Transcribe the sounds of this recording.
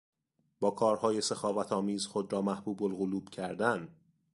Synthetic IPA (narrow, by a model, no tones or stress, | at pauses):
b̥ɒːkʰɒːɾhɒːje̞sexɒːvæt̪ʰɒːmiːzxod̪ɾɒːmæhb̥uːbolɣoluːb̥cʰæɾd̪æn